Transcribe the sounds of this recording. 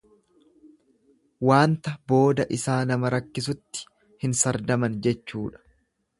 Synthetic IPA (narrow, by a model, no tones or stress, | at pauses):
waːnt̪ɐbo̞ːd̪ɐʔɪsaːnɐmɐɾɐkːɪs̬ʊt̪ːɪ̥ | hɪnsɐɾd̪ɐmɐnd͡ʒɛt͡ʃːuːᶑɐ̥